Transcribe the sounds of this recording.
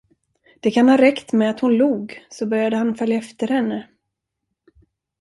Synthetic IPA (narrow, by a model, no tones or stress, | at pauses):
d̪̥ɛkʰanhɑːɾɛkt̪mɛat̪hʊnluːɡsɔbœɾjad̪əhanfœljaɛft̪əɾhɛnːə